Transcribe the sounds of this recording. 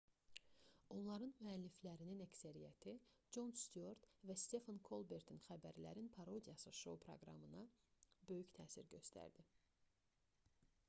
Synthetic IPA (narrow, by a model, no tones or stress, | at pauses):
o̞nlˠɑɾɯnmyælːiflæɾininæcsæɾijæt̪ʰid͡ʒo̞nst̪yoɾt̪væst̪e̞fɑnkʰo̞lˠbe̞ɾt̪ʰinxæbæɾlæ̰ɾinpʰɑɾo̞d̪ijɑsɯʃo̞̰pʰɾo̰ɡɾɑ̰mɯnɑbø̞jyçt̪ʰæ̰ːsiɾɟø̞st̪ʰæ̰ɾd̪i